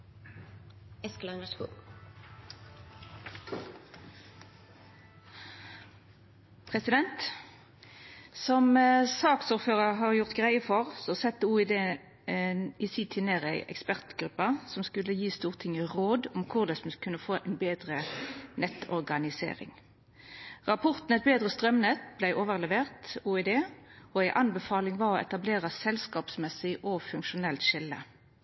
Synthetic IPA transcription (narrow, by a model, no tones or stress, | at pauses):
ɛsklɑnəskṵː | pʰʁɛsɪd̪ɛnt̪ | sɔmsɑːksuːʁføːʁəʁɦɑʁjʊʁt̪ɡʁæɪəfɔʁsɔsɛt̪ːəuːɪd̪eː | ɪsiːt̪ʰɪneːʁæɪʔɛ̰kspæʁt̪ɡ̥ʁʉpːɑsɔmskʉlːəjiːst̪uːʁt̪ʰɪŋəʁoːd̪ɔmkʰʊʁd̪ɛsmʉskʰʉnːəfoːʔæɪnbeːd̪ʁənɛt̪ːɔ̰ʁɡɑnɪsḛːʁɪ̰ŋ | ʁɑpʰɔʁt̪n̩ɛt̪̚beːd̪ʁəst̪ʁœmnɛt̪blæɪʔoːʋəʁlɛʋeːʁt̪uɪd̪eːɔæɪʔɑnbɛfɑːlɪŋʋɑʁɔɛ̰t̪ɑbleːʁɑsɛlskɑːpsmɛsɪʔɔfʉŋkʃʊnɛlt̪ʃɪlːə̰